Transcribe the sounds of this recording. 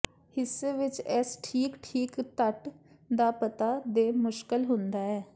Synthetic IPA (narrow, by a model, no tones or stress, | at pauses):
hɪsːeːʋɪt͡ʃɛsʈʰiːkʈʰiːkt̪əʈ | d̪aːpət̪aːd̪eːmʊʃkəlɦʊ̃nd̪aːɛː